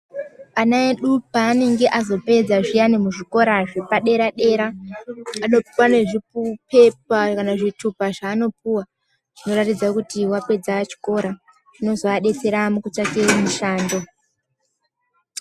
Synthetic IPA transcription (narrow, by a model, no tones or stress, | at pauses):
anaeɗupaːne̞ŋɡe̞ʔazo̞pe̞d͡zaʐijanimuʐiko̞ɾaʐepaɗe̞ɾaɗe̞ɾaː | no̞piwane̞ʐipupe̞p̚akanaʐitʰupaʐaːno̞puwa | ʐ̥ino̞ɾatid͡zakutiwape̞d͡zaat͡ʃi̥ko̞ːɾa | ʐ̥ino̞zoaɗe̞t͡se̞ɾamukut͡ʃakeramuʃaːndo̞